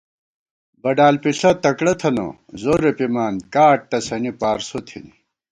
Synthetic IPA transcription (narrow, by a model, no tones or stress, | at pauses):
bɐɖaːlpiɬɐt̪ɐkɽɐt̪ʰɐno̰ | zoːɾepimaːnkaːʈ̚t̪ɐsɐnipaːɾsot̪ʰḭni